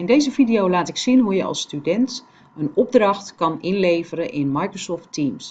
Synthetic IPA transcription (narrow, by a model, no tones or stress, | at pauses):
ɪndejzəvidijowlaːtɪksinɦujəɑ̰lˠstydɛnt | ənɔb̚drɑxtkɑnʔɪnlejvəɾəʔɪnmajkrosɔftims